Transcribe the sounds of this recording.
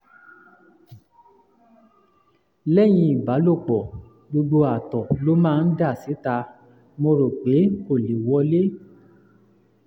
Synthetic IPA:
lɛ˦˨j̃ĩ˧i˨ba˨˦lo˦˨k͡pɔ˨ | ɡ͡bo˧ɡ͡bo˧a˨tɔ˨lo˦mãː˦˧n̩˦da˦˨si˨˦ta˧ | mõ˧ɾo˨k͡pe˨˦ko˦˨li˨wɔ˧le˦

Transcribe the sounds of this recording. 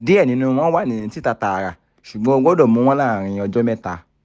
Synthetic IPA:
de˨˦ɛ˦˨nĩ˨˦nũ˧w̃ɔ̃˦wa˦˨nĩ˨ĩ˨˧ti˦ta˧ta˧a˧ɾa˨ | ʃu˨ɡ͡bɔ̃˨˦o˧ɡɔ˦dɔ˦˨mũ˧˦w̃ɔ̃˦lã˦˨ɾ̃ĩ˧ɔ˧d͡ʒɔ˦mɛ̃˦ta˧

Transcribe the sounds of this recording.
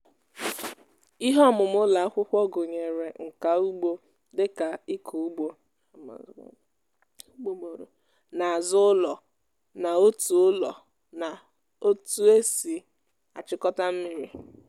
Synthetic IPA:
i˦ɦɔ˦mʊ˨m˦ʊ˦la˨a˦kʷʊ˦kʷɔ˦ɡʊ˨ɲe˨ɾe˨ŋ̩˨ka˨u˦ɡ͡bo˦ | dɪ˦ka˨i˦kʰu˨u˦ɡ͡bo̰˦˨˦ | ɡ͡bo˦o˨ɾo̰˨ | na˨a˨zʊ˦ʊ˦lɔ˨ | na˨o˦tu˨ʊ˦lɔ̰˨ | na˨ | o˦tu˦e˦si˨ | a˨t͡ʃɪ˦kɔ˦ta˦m̩˦mɪ˦ɾi˦

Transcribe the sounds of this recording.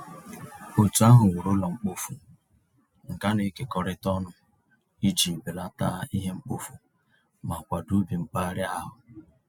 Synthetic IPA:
o˨tu˨a˦ɦʊ˨ŋʷʊ˨ɾo˦lɔ˨ŋ͡m̩˦k͡po˦fu˨ | ŋ̩˨ka˦ne˨˦ke˨kɔ˨ɾɪ˦tɔ˦nʊ˨ | i˦d͡ʒi˨be˨la˦ta̰˦i˦ɦe˦ŋ͡m̩˦k͡po˨fu˨ | ma˨kʷa˨du˦bi˨ŋ͡m̩˦k͡pa˦ɾɪ˦a˦ɦʊ˨

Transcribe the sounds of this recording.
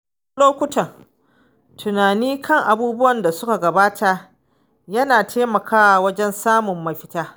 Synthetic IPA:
loː˦kʷʊ˦tɐ˨n | tʰʊ˨naː˨niː˦kʰɐ˦ŋʔa˨buː˦bʊ˦wɐ˨nda˨sʊ˦ka˨ɡɐ˨baː˦tʰa˨ʔ | jɐ˦naː˨tʰeː˦mɐ˨kʰaː˦a˨wɐ˦d͡ʒɛ˦nsaː˦mʊ˨mːɐ˦ɸɪ˦taː˦

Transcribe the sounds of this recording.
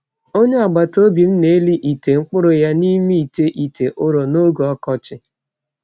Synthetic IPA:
o˦ɲe˦a˨ɡ͡ba˨to˦bi˨n̩˦ne˦e˦li˦ʔi˨te˨ŋ͡m̩˦k͡pʊ˦ɾʊ˨ja˦ni˦mi˦i˨te˦ʔi˨tʰe˨ʔʊ˦ɾo˨no˦ɡo˨ɔ˦kɔ˦t͡ʃɪ˨

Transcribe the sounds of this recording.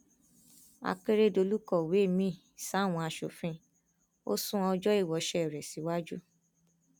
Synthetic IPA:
a̰˧k͡pe˦ɾe˦˨do˧lu˦kɔ˦˨we˨˦˨mĩ˦˨ | sa˨˦˨w̃ɔ̃˧a˧ʃo̰˨fĩ˦ | o̰˦sũ˦ɔ˧d͡ʒɔ˦i˦˨wɔ˨˦ʃɛ˦˨ɾɛ˨si˨˦wa˦d͡ʒṵ˦

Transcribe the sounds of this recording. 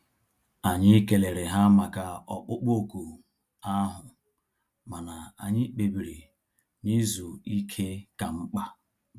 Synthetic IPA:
a˨ɲɪ˦ke˨le˨ɾe˨ɦa˦ma˨ka˨ɔ˨k͡pʊ˦k͡po˨ku˨ | a˦ɦʊ˨ | ma˨na˨a̰˨ɲɪ˦k͡pe˨bi˨ɾi˨ | ni˦zu˨i˦kʰe˦ka˨ŋ͡m̩˦k͡pa˦

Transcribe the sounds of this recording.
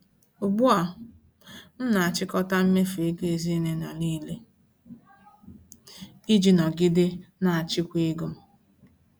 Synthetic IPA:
o˨ɡ͡bu˦a˨ | m̩˦na˨a˨t͡ʃɪ˦kɔ˦ta˦m̩˦me˦fe˨˦ɡe˨e˨zi˦ne˦na˨niː˦le˦ | i˦d͡ʒi˨nɔ˨ɡɪ˦dɪ˦na˨a˨t͡ʃɪ˦kʷi˦ɡo˦m̩˦

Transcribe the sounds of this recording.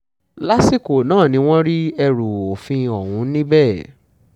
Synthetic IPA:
la˦si˦ko˨nãː˦˨nĩ˧˦w̃ɔ̃˦ɾi˦ɛ˧ɾu˨o˨fĩ˧ɔ˨wũ˨˦nĩ˦bɛː˦˨

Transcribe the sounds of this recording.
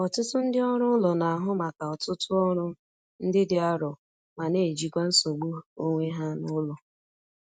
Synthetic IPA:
ɔ˨tʊ˦tʊ˦n̩˦dɪ˦ɔ˦ɾʊ˦ʊ˦lɔ˨na˨a˨ɦʊ˦ma˨ka˨ɔ˨tʊ˦tʊ˦ɔ˦ɾʊ˦ | n̩˦dɪ˦dɪ˦a˦ɾɔ˨ | ma˨ne˨d͡ʒi˨kʷa˦n̩˦so˨ɡ͡bu˦o˦ŋʷe˦ɦa˦nʊ˦lɔ˨

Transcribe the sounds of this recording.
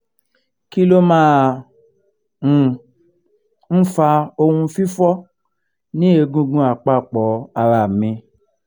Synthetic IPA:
ki˦lo˦mãː˦˨˧ | n̩˦fa˧o˧hũ˧fi˦fɔ˦ | nĩ˦e˧ɡũ˧ɡũ˧a˨k͡pa˦˨k͡pɔ˨˦a˧ɾa˧˨mĩ˧

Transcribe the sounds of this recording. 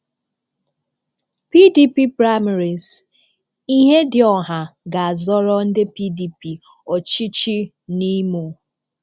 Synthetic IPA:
pi˦di˦pi˦pɾa˦mi˨ɾi˨z | i˦ɦe˦dɪ˨ɔ˨ɦa˨ɡa˨a˨zɔ˦ɾɔ˦n̩˦dɪ˦pi˦di˨pi˨ | ɔ˨t͡ʃi˦t͡ʃi˦ | ni˦mo˨

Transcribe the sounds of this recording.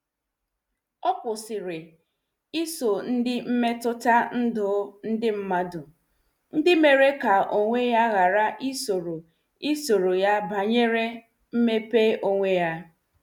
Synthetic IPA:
ɔ˦kʷʊ˨sɪ˨ɾɪ˨ | i˦so˨n̩˦dɪ˦m̩˦me˦tʊ˦ta˦n̩˦dʊ˦n̩˦dɪ˦m̩˦ma˦dʊ˨ | n̩˦dɪ˦me˨ɾe˦ka˨ʔo˨ŋʷe˦ja˦ɣa˨ɾa˦ʔi˦so˨ɾo˨ | i˦so˨ɾo˨ja˦ba˨ɲe˦ɾe˦ | m̩˦me˦pe˦ʔo˦ŋʷe˦ja˦

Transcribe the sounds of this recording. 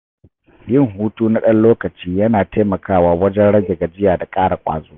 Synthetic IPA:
jɪ˦˨ŋɦuː˦tuː˦na˦ɗɐ˦nloː˦kɐ˨t͡ʃiː˦jɐ˦naː˨tʰeː˦mɐ˨kʰaː˦waː˨wɐ˦d͡ʒɛ˦nɽɐ˦ɡʲe˨ɡa˨d͡ʒɪ˦jaː˨da˨kʼaː˦ɽa˨kʷʼa̰ː˨zoː˦

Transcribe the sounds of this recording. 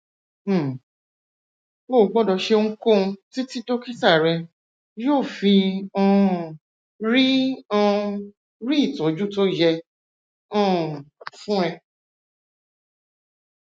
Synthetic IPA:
mo˦˨ɡ͡bɔ̃˦˨dɔ˧ʃe˧ŋ̩̃˦kõ˦˨˧ti˦ti˦do˦ki˦ta˦˨ɾɛ˧ | jo˦˨fi˧ɔ̃˧ | ɾi˦ɔ̃˧ | ɾi˦i˦˨tɔ̃˨d͡ʒu˦to˦d͡ʒɛ˧ | ɔ̃˦˨fũ˦ɛ˧

